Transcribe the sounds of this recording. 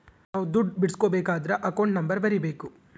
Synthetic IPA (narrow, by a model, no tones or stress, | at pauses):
naːʋud̪uɖbiɽskoːbeːkaːd̪ɐɾɐʔɐkɐwɳʈnɐmbɐɾbɐɾibeːku